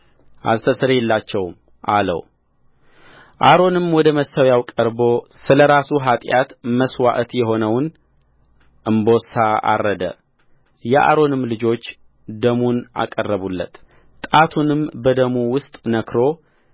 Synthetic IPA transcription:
ʔa̰zt̪ʰəsɨɾeɛlːat͡ʃːɛwm | ʔalə̰w | ʔaɾo̞nɨmwɔd̪əməsawjawkʼəɾbo̞sɨləɾasuɦat̪ʼjat̪məswa̰ʔt̪jɛɦo̞nəwn | ʔɨmbo̞saa̰rːəd̪ə̰ | jɛʔa̰ɾo̞nɨmlɨd͡ʒo̞t͡ʃː | d̪əmunʔa̰kʼərːəβulːə̰t̪ʰ | t̪ʼat̪ʰunɨmbəd̪əmuwʊst̪ʼnəkʰɾo̞

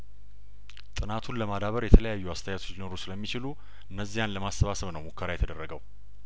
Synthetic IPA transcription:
t̪ʼɨnat̪ʰunləmad̪aβəɾjɛt̪ʰələjajːuast̪ʰəjat̪ʰo̞t͡ʃːlinoɾosɨləmːit͡ʃɪlu | ʔɨnːəzːijanləmasːəβasəβnəwmokʰːəɾajɛt̪ʰəd̪ərːəɡəw

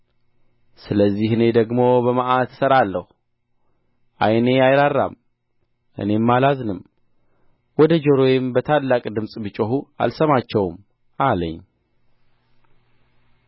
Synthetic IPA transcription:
sɨləzːihɨne̞d̪əɡmo̞bəmaʔat̪ɨsəɾalːəhu | ʔajne̞ajɾarːa̰m | ʔɨ̰ne̞mːalaznɨm | wɔd̪əd͡ʒəɾo̞jɪmbət̪ʰalːakʼd̪ɨmsʼbɨt͡ʃʼoɦua̰lsəmat͡ʃːɛwm | ʔalə̰ɲː

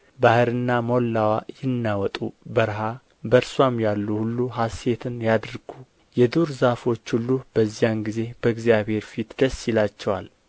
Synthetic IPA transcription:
bahɨɾɨnːamolːawajɪnːawɔt̪ʼubəɾɦa | bəɾswamjalːuhulːuhase̞t̪ʰɨnjad̪ɾɡ̥u | jɛd̪uɾzafo̞t͡ʃːhulːub̥əzːijanɡize̞b̥əɡzijaβhe̞ɾfit̪d̪əsːjɪlat͡ʃːɛwa̰l

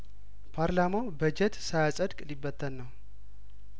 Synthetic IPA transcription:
pʰaɾlamawbəd͡ʒɛt̪sajasʼəd̪kʼɨlibːət̪ʰːənːəw

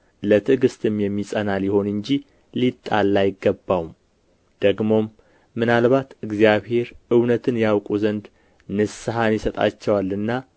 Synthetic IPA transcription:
lət̪ʰɨɡɨst̪ʰɨmjɛmːisʼənaljɪho̞nɨɲd͡ʒi | lit̪ʼːalːajɪɡːəbːawum | d̪̥əɡmo̞mː | ɨnalβat̪ɨɡzijaβhe̞ɾɨwnət̪ʰɨnjawkʼuzənd̪ | nɨsɨɦanjɪsət̪ʼa̰t͡ʃːɛwalːɨnːa

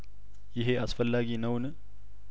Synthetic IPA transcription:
jɪɦe̞ʔasfəlːaɡinəwn

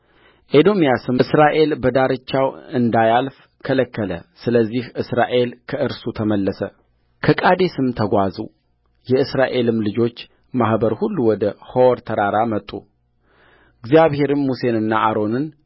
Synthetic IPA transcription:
ʔed̪o̞mijasɨmɨsɾaʔe̞lbəd̪aɾɨt͡ʃːawɨnd̪ajalf | kʰələkːələ̰sɨləzːihʔɨsɾaʔe̞lkʰəʔɨɾsut̪ʰəməlːəsə | kʰəkʼad̪e̞sɨmt̪ʰəɡʷazṵ | jɛɨsɾaʔe̞lɨmlɨd͡ʒo̞t͡ʃː | mahbəɾhulːuwɔd̪əhowɾt̪ʰəɾaɾamət̪ʼːṵ | ɨɡzijaβhe̞ɾɨnmuse̞nɨnːaʔaɾo̞nɨn

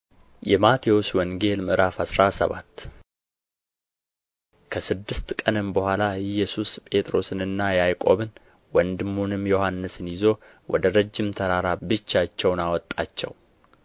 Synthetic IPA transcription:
jɛmat̪ʰewoswɔŋɡe̞lmɨɾafasɾasə̰βa̰t̪ː | kʰəsɨd̪ːɨst̪kʼənɨmbəhʷalaɨjːɛsuspʼe̞t̪ʼɾo̞sɨnɨnːajajkʼo̞̰βɨn | wɔnd̪ɨmːonɨmjo̞hanːɨsɨnjɪzo̞ | wɔ̰d̪əɾəd͡ʒːɪmt̪ʰəɾaɾabɨt͡ʃːat͡ʃːɛwnawɔt̪ʼːat͡ʃːɛ̰w

